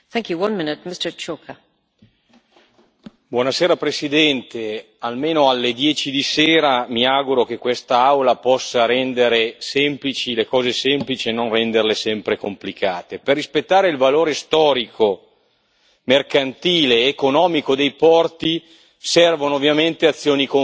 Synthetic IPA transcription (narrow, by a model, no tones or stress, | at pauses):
θɛ̃ŋkjuwʌ̃nmɪnɪt̚mɪstə˞t͡ʃokʰa | bwɔːnaseːɾapɾesid̪ɛnt̪e | almeːnoalːed̪jɛːt͡ʃid̪iseːɾamiaɡuɾok̟ekːwest̪aawlapɔsːaɾɛnd̪eɾesɛmplit͡ʃilekɔːzesɛmplit͡ʃienonrɛnd̪erlesɛmpɾekomplikaːt̪eperːispet̪ːaːɾeilvaloːɾest̪ɔːɾikʰo | merkant̪iːleːkonɔːmikod̪ejpɔrt̪i | sɛrvonoːvːjament̪eat̪sːjoːniko